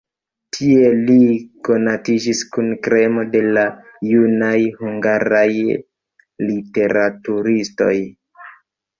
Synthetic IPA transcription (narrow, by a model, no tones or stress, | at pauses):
tʰie̞liko̞natid͡ʒiskunkɾe̞mo̞de̞lajunajhuŋɡaɾaj | lite̞ɾatuɾisto̞j